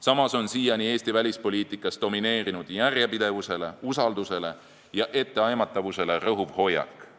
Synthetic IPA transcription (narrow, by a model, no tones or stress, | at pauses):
sɑmɑso̞nsiːjɑnie̞ːst̪ivælʲispo̞lʲiːt̪ˑikːˑɑstd̪̥o̞mine̞ːɾinud̪̥jærjepid̪̥e̞vuse̞le̞usɑld̪use̞le̞ | jɑʔe̞t̪ːe̞ɑjmɑt̪ːˑɑvuse̞le̞rɤɦuvho̞jːɑ̰kːˑ